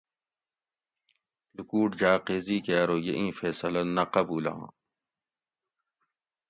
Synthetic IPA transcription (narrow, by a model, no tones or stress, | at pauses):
lukuːʈd͡ʑaːqeːziːkeaɾoːjeʔĩːfeːsɐlɐnɐqɐbuːlã̰ː